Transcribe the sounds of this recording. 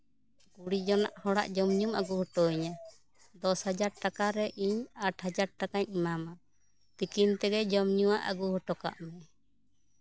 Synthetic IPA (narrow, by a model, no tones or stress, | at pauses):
kuɽid͡ʒɔna̰ʔhɔɽa̰ʔd͡ʒɔmɲuma̰ɡuhɔʈɔiɲa | d̪ɔshad͡ʒaɾʈakaɾɛʔiɲaʈhad͡ʒaɾ̚ʈakaɲimama | t̪ikint̪ɛɡɛd͡ʒɔmɲuwaʔa̰ɡuhɔʈɔka̰ʔmɛ